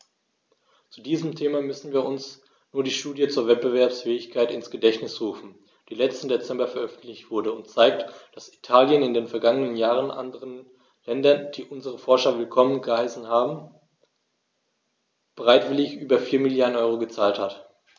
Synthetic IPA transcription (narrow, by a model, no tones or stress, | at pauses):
t͡sudiːzəmtʰeːmamʏsn̩viːɐʔʊns | nuːɐdiːʃtuːdjət͡suːɐvɛt̚b̥əvɛɐpsfɛːɪçkʰaɪtɪnsɡ̥ədɛçtnɪsʁuːfn̩ | d̥iːlɛt͡stn̩det͡sɛmbɐfɛɐʔœfn̩tlɪçtv̥ʊɐdəʊntt͡saɪk̚td̥asi̥tʰaːljənɪndeːnfɛɐɡaŋənənjaːʁənʔa̰ndəʁən | lɛndɐnd̥iːʔʊnzəʁəfɔɐʃɐvɪlkʰɔmənɡəhaɪsn̩haːbm̩ | b̥əʁaɪtv̥ɪlɪçʔyːbɐfiːɐmɪljaːdn̩ʔɔʏʁ̞oɡət͡saːlthat